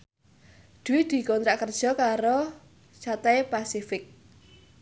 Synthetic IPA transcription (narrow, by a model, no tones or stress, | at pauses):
d̪̥uwɪd̪̥i̤kɔnt̪ɾaʔkərd̥ʒ̥ɔ̤kaɾo | t͡ʃat̪ɛjpasifɪk̚